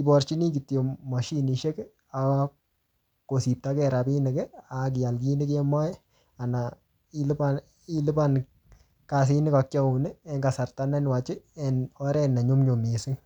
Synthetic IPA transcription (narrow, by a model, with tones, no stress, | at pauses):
i˨bɔrt͡ʃi˦ni˦k̬itjo˨ma˨ʃi˦ni˨ʃe˦k | a˨ | ko˨si˨p̚ta˦kɛɾapi˦nɪ˨kɛak̬i˨ja˨lki˦nɪ˦kɛmɔ˦j | a˨na | i˦lpa | i˦lɪ˦ba˦n | ka˨s̬i˦nɪ˦ka˨k̚t͡ʃa˦unɪ˦ɛ˦ŋɡa˨sa˨rtanɛ˦nwa˨t͡ʃɪ˦ɛ˨nɔ˦ɾɛ˦na˨ɲo˦mɲo˨mesɪ˦ŋ